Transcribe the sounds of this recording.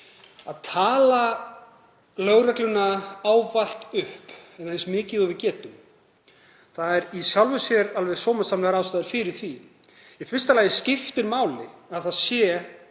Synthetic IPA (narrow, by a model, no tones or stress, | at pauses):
a̰ðt̪ʰaːla | lœɣɾɛklʏnaaːwval̥t̪ʏhpɛnejnsmɪːcɪðɔvɪcɛːt̪ʏm | θaðɛɾisjawlvʏsjɛɾalvɛɣsɔːwmḁsamlɛɣaɾaːwst̪ajðɪɾ̥fɪɾɪɾ̥θvi | ifɪrst̪alaːjɪscɪft̪ɪɾmaːwlɪ̰aðθaðsjɛ